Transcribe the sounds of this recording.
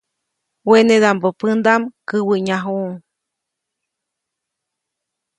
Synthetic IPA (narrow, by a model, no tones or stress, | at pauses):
wened̪ambopɨnd̪amkɨwɨɲaɦuŋ